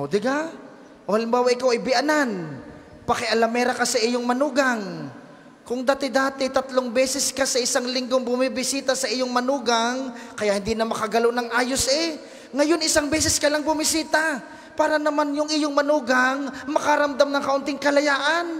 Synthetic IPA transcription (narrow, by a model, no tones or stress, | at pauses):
ʔod̪ɪɡa | ʔohɐlɪmbaːwɐʔɪkawɐjbɪʔɐnan | pɐkɛʔɐlɐmɛːɾɐkɐsɐʔɪjoŋmɐnuːɡɐŋ | kʊŋd̪aːt̪ɪd̪aːt̪ɪt̪ɐt̪loŋbɛːsɛskɐsɐʔɪsaŋlɪŋɡoŋbʊmibɪsiːt̪asɐʔɪjoŋmɐnuːɡaŋkɐjaʔhɪnd̪iːnɐmɐkɐɡɐlonɐŋʔaːjosʔɛ | ŋɐjo̞nɪsaŋbɛs̬ɛskɐlaŋbʊmɪsiːt̪a | paːɾɐnɐmanjʊŋʔɪjoŋmɐnuːɡɐŋmɐkɐɾɐmd̪amnɐŋkɐʔʊnt̪ɪŋkɐlɐjaːʔɐn